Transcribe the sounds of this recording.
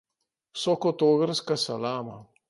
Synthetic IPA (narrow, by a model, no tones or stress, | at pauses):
wsɔkɔt̪oːɣəɾskasalaːma̰